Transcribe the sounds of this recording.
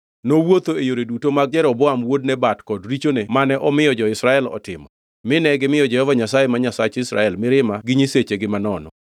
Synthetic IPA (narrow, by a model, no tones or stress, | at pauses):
nowot̪oejoɾedutomaɡ̚d͡ʒɛɾɔbɔamwod̚nɛbatkɔdɾit͡ʃonemanɛʔɔmɪjɔd͡ʒɔɪsɾaɛlɔ̰tɪmɔ | mɪnɛɡɪmɪjɔd͡ʒɛhɔvaɲasajemaɲasat͡ʃɪsɾa̰ɛlmɪɾɪmaɡɪɲiset͡ʃeɡɪmanɔnɔ